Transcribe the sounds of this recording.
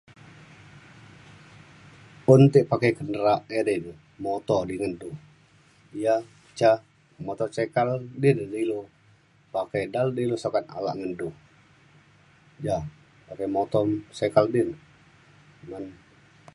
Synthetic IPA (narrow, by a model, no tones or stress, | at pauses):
unt̪ɪʔpakajkəndəɾaʔɛɾin | mɔt̪ɔdiŋəndu | ija | t͡ʃa | mɔt̪ɔsɛkaldɪndilu | pakajdaldilusakat̪a̰la̰ʔŋəndu | ja | pakajmɔt̪ɔsɛkaldɪn | nan